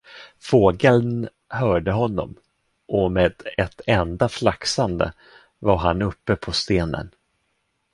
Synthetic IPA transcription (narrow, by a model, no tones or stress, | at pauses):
foːɡəln | hœːɖəɦɔnːɔ̰m | ʔɔmeːd̪̥ɛt̪ʰɛnd̪aflaksand̪ə̰ | vaɾɦanɵpːəpʰɔst̪eːnə̰n